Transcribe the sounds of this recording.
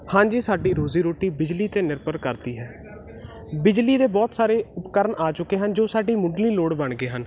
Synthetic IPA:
hãːɲd͡ʒiːsaːɖiːɾoːziːɾoːʈiːbɪd͡ʒliːt̪eːnɪɾpəɾkəɾd̪iːɦɛː | bɪd͡ʒliːd̪eːbɔːt̪saːɾeːʊpkəɾəɳaːt͡ʃʊkːeːɦənd͡ʒoːsaːɖiːmʊɖliːloːɽbəɳɡeːɦən

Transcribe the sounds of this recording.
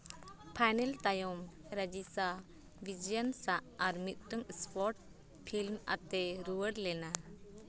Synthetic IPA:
pʰajnɛlt̪ajɔmɾad͡ʒisa | bʱid͡ʒijənsaʔaɾmit̪̚ˀʈəŋspɔɾʈ̚ | pʰilma̰t̪ɛɾuwəɽlɛna

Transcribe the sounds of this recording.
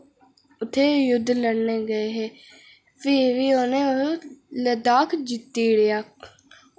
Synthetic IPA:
ʊt̪ʰːeːjʊd̪ːləɽneːɡəeːɦeː | pʰɪʋiːoːnẽːʊləd̪aːkʰd͡ʒit̪ːiːɽejaː

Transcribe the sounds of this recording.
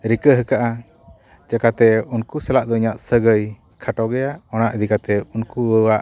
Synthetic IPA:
ɾikəɦəkaʔa | d͡ʒakat̪ɛunkusɛlaʔd̪ɔiɲaʔsəɡəj | kʰaʈɔɡɛjaʔɔnaʔəd̪ikat̪ɛunkuwəwaʔ

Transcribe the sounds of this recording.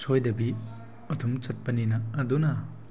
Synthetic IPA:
sʰojdɐbi | ɔtʰumt͡ʃɐt̚pɐninaːduna

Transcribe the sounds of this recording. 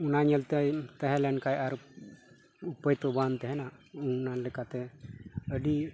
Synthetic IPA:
unaɲɛlt̪ɛjt̪ɛɦɛlɛɳkajaɾ | upəjt̪ɔbant̪ɛɦɛnaunalɛkat̪ɛəɖi

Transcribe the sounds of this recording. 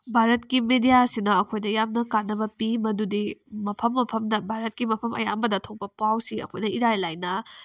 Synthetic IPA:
bʱaɾɐt̚kimedijasinɐːkʰojnɐjamnɐkanːɐbɐpimɐdudimɐpʰɐmːɐpʰɐmdɐbʱaɾɐt̚kimɐpʰɐmʔɐ̰ja̰mbɐdɐtʰok̚pɐpawsiɐ̰kʰojnɐiɾajlajnɐ

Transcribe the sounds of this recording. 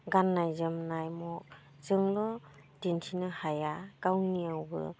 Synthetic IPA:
ɡanːajzɯmnajmɔk̚ | zɯŋlɔ | dentʰinɯhajakawniawbɯ̰

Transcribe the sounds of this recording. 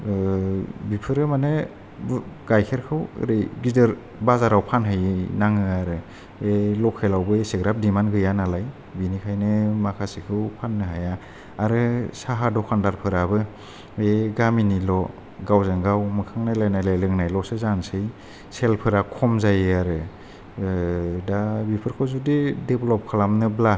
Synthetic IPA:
bipʰɯɾɯmanɯ | ɡ̥ajkʰeɾkʰɯw̰ɾɯɡidɯɾ | bazaɾawpʰanɦajnaŋɯaɾɯ | elɔkʰelawbɯeseɡɾap̚dimanɡɯjanalaj | binikʰajnɯmakʰasikʰɯwpʰanːɯɦaja | aɾɯsaɦadɔkʰandaɾpʰɯɾabɯ | eɡaminilɔ | ɡawzaŋɡawmɯkʰaŋnajlajnajlajlɯŋnajlɔsɯzansɯj | selpʰɯɾakʰɔmzajɯaɾɯ | dabipʰɯɾkʰɔzudideblɔp̚kʰalamnɯbla

